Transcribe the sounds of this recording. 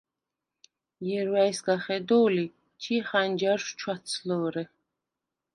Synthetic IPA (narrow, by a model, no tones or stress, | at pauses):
jɛɾwaisɡaχɛd̪ɔːli | t͡ʃʰiχand͡ʒaɾʃt͡ʃʰwat̪sʰlɔɾɛ